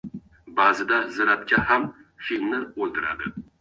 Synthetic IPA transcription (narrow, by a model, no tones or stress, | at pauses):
bazɪd̪azɪɾat̪̚kʲahamfilmnɪolˠt̪ɪɾa̰d̪ɪ